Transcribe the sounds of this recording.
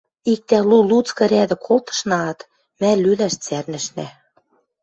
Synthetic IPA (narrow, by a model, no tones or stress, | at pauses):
ik̚t̪ælulut͡skɤ̆ɾæd̪ɘ̆kʰolt̪ɤ̥̆ʃnɑɑt̪ | mælylæʃt͡særnɘ̆ʃnæ